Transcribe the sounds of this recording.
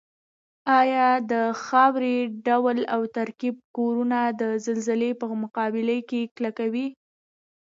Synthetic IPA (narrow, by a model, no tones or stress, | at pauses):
ɑjɑd̪əxɑwɾeɖawlawt̪aɾkib̚koɾunad̪əzalzɪlepəmʊqɑbɪləkeklakawi